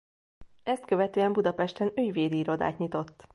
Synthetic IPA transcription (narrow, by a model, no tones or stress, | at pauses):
ɛst̪kø̞vɛt̪øːɛmbud̪ɒpɛʃt̪ɛnyjveːd̪iiɾo̞d̪a̰ːt̪ɲit̪o̞t̪ː